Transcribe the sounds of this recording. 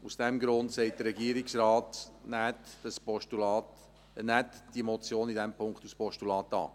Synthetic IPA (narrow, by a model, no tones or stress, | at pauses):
usd̥ɛmɡɾʊnt̪sɛɪt̚d̥̪əɾɛɡiəɾɪksɾɑːt̪nætspɔʃtulɑt | nætd̥imɔt͡sjoːnidɛmpʰʊŋkχt̪uspɔʃtulɑːt̪ɑ̰ː